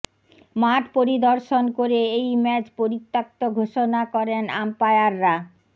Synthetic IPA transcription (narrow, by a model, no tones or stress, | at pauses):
maʈpoɾid̪oɾʃonkoɾeejmɛt͡ɕpoɾit̪ːak̚t̪oɡʱoʃonakɔɾena̰mpaeaɾːa